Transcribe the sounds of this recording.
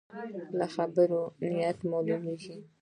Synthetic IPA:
laxabəɾonɪjat̪mɑlumeɡi

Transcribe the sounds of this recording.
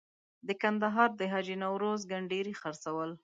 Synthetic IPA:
d̪əkand̪aɦɑɾd̪əɦɑd͡ʒinawɾozɡaɳɖeɾixaɾsawəl

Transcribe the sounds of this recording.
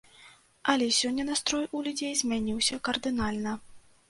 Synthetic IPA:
ɐlʲɛsʲɔnʲːɐnast̪ɾɔjulʲud͡zʲejzʲmʲanʲiwsʲɐkɐrd̪ɨnalʲnɐ

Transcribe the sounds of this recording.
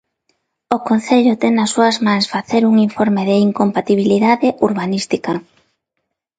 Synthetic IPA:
okon̟θeʎʊt̪ɛŋnɐsːuɐzmaŋsfaθeɾuŋiɱfoɾmɪðɪiŋkompat̪iβ̞iliðaðɪʔuɾβanist̪ikɐ

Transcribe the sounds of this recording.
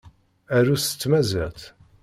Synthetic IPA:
æɾusə̥t͡sːmæzæʁt̪

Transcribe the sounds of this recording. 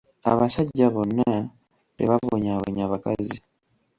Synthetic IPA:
a̰βasaɟːaβonːa | tḛβaβoɲaβo̰ɲaβakazi

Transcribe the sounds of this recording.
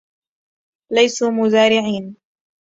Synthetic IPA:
lajsuːmʊzaːɾɪʕiːn

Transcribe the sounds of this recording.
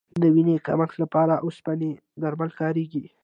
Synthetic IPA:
d̪əwineka̰məxt̪lapɑɾaʔospane | d̪aɾmalkɑɾeɡi

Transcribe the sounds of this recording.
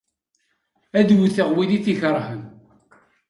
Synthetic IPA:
æðwθəʁwiðiθiçəɾˤhən

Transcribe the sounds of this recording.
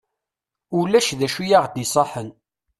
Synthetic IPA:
ʊlːæʃðæʃujaʁd̪isˤɑħən

